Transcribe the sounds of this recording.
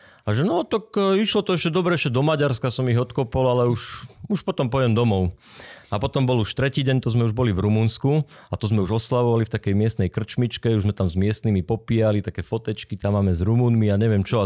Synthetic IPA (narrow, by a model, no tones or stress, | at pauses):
aʒɛnɔt̪akiʃlɔt̪ɔɛʃcɛd̪ɔbɾɛɛʃcɛd̪ɔmaɟaɾskasɔmiɣɔt̪kɔpɔlalɛuʃuʃpɔt̪ɔmpɔjɛmd̪ɔmɔʊapɔt̪ɔmbɔluʃt̪ɾɛciːɟɛɲt̪ɔzmɛuʒbɔlivɾumunsku | at̪ɔzmɛuʒɔslaʋɔʋalift̪akɛjmɪɛst̪nɛjkr̩t͡ʃmit͡ʃkɛuʒzmɛt̪amzmɪɛst̪nimipɔpiːalit̪akɛːfɔt̪ɛt͡ʃkit̪amːaːmɛzɾumuːnmiaɲɛʋɪɛmt͡ʃɔ